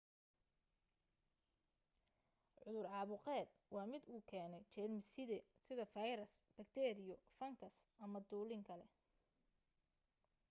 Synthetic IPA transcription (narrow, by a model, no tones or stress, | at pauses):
ʕʊðʊrʕɑːβʊqɛːd̪̥̚wɑːmɪd̪uːkʰɛːnɛt͡ʃɛlmɪsɪðɛsɪðɐfɐjɾɐsb̥ɐkt̪ʰɛːɾɪjɔfɐŋkʰɐs | ʔɐmɐd̪uːlɪŋkʰɐlɛ